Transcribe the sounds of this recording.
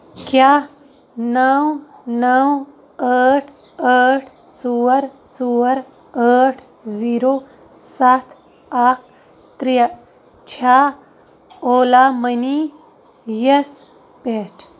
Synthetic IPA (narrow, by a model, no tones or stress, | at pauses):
kjaː | nɐwnɐw | aːʈʰ | aːʈʰ | t͡soːəɾ | t͡soːəɾ | aːʈʰ | ziːɾoː | sat̪ʰ | aːk̚ʰ | t̪ɾij | t͡ʃʰaː | oːlaːməni | jɐs | pet͡ʃʰ